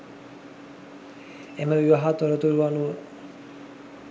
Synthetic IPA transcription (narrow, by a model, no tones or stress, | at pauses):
eməʋiʋaɦat̪oɾət̪uɾuʋanuə